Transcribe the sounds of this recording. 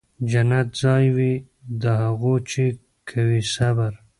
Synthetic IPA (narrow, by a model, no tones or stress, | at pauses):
d͡ʒanat̪zɑːjwi | d̪əɦaɣot͡ʃe | kʰawisabaɾ